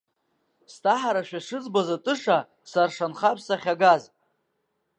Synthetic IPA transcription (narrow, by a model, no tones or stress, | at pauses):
stʰʼaħaɾaʃᶣaʂɨt͡sbazatʼɨʂa | sarʂanχapʰsaχʲaɡaz